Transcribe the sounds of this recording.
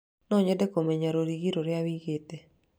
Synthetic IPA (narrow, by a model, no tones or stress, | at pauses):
nɔɲɛdɛkomɛɲaɾoɾiɡiɾoɾɪawiɡet̪e